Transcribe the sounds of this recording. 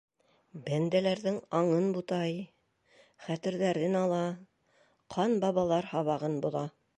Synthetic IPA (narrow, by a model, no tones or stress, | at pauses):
bænd̪ælæɾðɘŋɑɴɤnbut̪ɑj | χæt̪ɘ̆ɾðæɾɘnɑlˠɑ | qʰɑnbɑβɑlˠɑɾhɑβɑʁɤnbŭlˠɑ